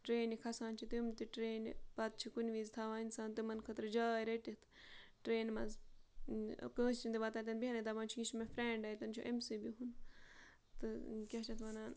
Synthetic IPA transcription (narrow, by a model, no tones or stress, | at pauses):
ʈɾeːnikʰɐsaːnt͡ʃʰit̪iumt̪iʈɾeːnpɐt̪̚t͡ʃʰikunʲʋiːzt̪ʰaːʋaːinsaːnt̪imɐnkʰət̪ɾd͡ʒaːiɾeʈit̪ʰ | ʈɾeːnmɐz | kəːst͡ʃʰind̪iʋat̪aːt̪ɐnbiɦɐnet̪abãːnt͡ʃʰikiʃmefɾeːɳɖaːjt̪ɐnt͡ʃʰuʔemsibiɦun | t̪ɨkʲaːt͡ʃʰɐt̪ʰʋɐnaːn